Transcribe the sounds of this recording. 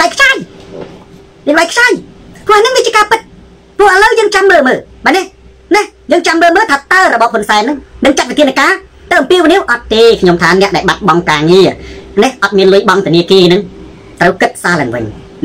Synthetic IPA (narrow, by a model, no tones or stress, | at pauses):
ajkʰt͡ɕaːj | iɓajkʰt͡ɕaːjpʰʊ̆əʔanɨŋʋiːnt͡ɕiəkaːpɨt̪̚ | pʊ̆əhʔələwjəːŋt͡ɕamːəːlməːlɓaːnɛh | nɛhjəːŋt͡ɕamːəːlməːlt̪ʰaːt̪aəɾɔɓɑhhunsaɛnːɨŋnɨŋt͡ɕat̪̚ʋit̪ʰiənəkaː | t̪awʔɑmpiəʋiniəwʔɑt̪ːeːkʰɲomt̪ʰaːnɛ̆əʔɗaɛlɓat̪̚ɓɑŋkaːŋiənɛhʔɑt̪̚miənlʊ̆əjɓɑŋt̪ʰɛəniəkiənɨŋ | t̪rəwkɨt̪̚saːlaːŋʋɨ̰ɲ